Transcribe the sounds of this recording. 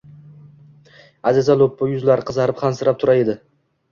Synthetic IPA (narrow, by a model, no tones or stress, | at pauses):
azɪzalˠopːʊjʊzlaɾɪqʰɨzaɾɪpχansɪɾap̚t̪ʰʊɾaed̪ɪ